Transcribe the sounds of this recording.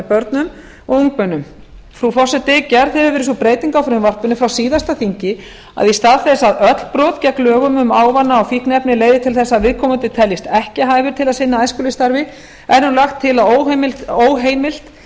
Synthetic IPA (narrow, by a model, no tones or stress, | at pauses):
pœɾt̪nʏm | ɔɣuŋk̚pœnːʏm | fɾufɔsɛt̪ɪcɛɾθɛvʏɾvɪːɾɪs̬ɔpɾeːjt̪iŋkawfɾʏmvar̥pʏnʏfɾawsiːðast̪aθiɲcɪ | a̰ðist̪aðθɛsːaðœt̪l̥pɾɔt̪cɛklœːɣʏmʏmaːwvanːaɔfihknɛpnɪleːjðɪt̪ʰɪlθɛsːaðvɪðkʰɔːmʏnt̪ɪt̪ʰɛljɪst̪ɛhcɪɦaːjvʏɾ̥t̪ʰɪlaðsɪnːaajskʏlɪst̪aɾvɪ | ɛɾnʏlaxt̪ʰːɪlaoːwɦemɪlt̪oːwɦeːjmɪl̥t̪